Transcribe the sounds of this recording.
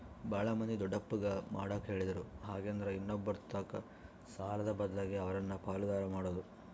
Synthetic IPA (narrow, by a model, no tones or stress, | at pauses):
baːɭɐmɐnd̪id̪ɔɖːɐpːuɡɐma̰ːɽaːkɦe̞ːɭid̪ɐɾuɦaːɡeːnd̪ɐɾeinːobːɐɾt̪ːaːkɐ | saːlɐd̪ɐbɐd̪laːɡeɐʋɐɾɐnːɐpaːlud̪aːɾɐmaːɽoːd̪u